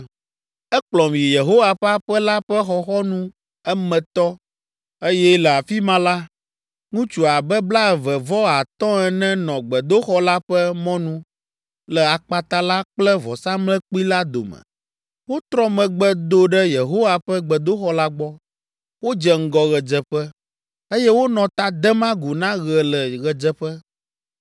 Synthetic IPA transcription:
ɛ˦k͡plɔ˨m˨ji˨je˨ɦo˦wa˨ɸa˦ɸɛ˦la˦ɸɛ˦xɔ˨xɔ˦nũ˦ | ɛ˦mɛ̃˨t̪ɔ˦ | e˦jɛ˦lɛ˨a˨fi˦mã˦la˦ | ŋũ˦t͡ʃu˨a˨bɛ˦bla˦ɛ˨vɛ˨vɔ˦a˨t̪ɔ̃˦ɛ˨nɛ̃˦nɔ̃˨ɡ͡bɛ˨d̪o˦xɔ˦la˦ɸɛ˦mɔ̃˦nũ˦ | lə˨a˨k͡pa˨t̪a˦la˦k͡plɛ˦vɔ˨sã˦mlɛ̃˦k͡pi˦la˦d̪o̰˨mɛ̰̃˨ | wo˦t̪ɾɔ̃˦mɛ̃˨ɡ͡bɛ˦d̪o˦ɖɛ˦je˨ɦo˦wa˨ɸɛ˦ɡ͡bɛ˨d̪o˦xɔ˦la˦ɡ͡bɔ˦ | wo˦d͡ʒɛ˨ŋ̩˦ɡɔ˦ɣɛ˨d͡ʒɛ˨ɸɛ˦ | e˦jɛ˦wo˦nɔ̃˨t̪a˦d̪ɛ˦mã˦ɡu˨nã˦ɣɛ˨lə˨ɣɛ˨d͡ʒɛ˦ɸɛ˦

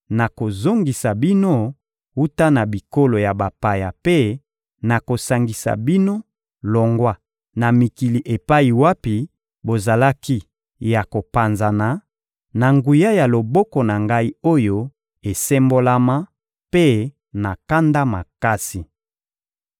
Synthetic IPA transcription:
na˨ko˨zo˦ŋɡi˨sa˨bi˦no˦ | u˦ta˦na˨bi˨ko˦lo˨ja˨ba˨pa˨ja˨pe˦ | na˨ko˨sa˨ŋɡi˨sa̰˨bi˦no˦ | lɔ˨ŋɡwa˦ | na˨mi˨ki˨li˨ʔe˨pa˦i˨wa˦pi˨ | bo˨za˨la˦ki˦ | ja˨ko˨pa˨nza˨na˨ | na˨ŋɡu˨ja˦ja˨lo˨bɔ˦kɔ˨na˨ŋɡa˦i˦o˦jo˦ | e˨sɛ˦mbo˦la˦ma˦ | pe˦ | na˨ka˦nda˦ma̰˨ka˦si˨

